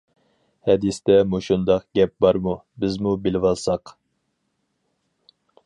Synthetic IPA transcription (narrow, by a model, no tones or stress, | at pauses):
hɛd̪isd̪ɛmuʃund̪ɑqɡʲɛp̚bɑɾmu | bɪzmubɪlɪwɑlˠsɑq